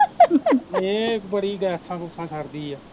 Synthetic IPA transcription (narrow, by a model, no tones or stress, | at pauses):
ẽːkbəɽiːɡɛːsʰãːkʊsʰãːt͡ʃʰəɾd̪iːɛː